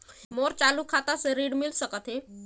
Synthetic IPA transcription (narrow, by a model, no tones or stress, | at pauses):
moɾt͡ɕalukʰat̪aseɾiɽmilsəkət̪ɦe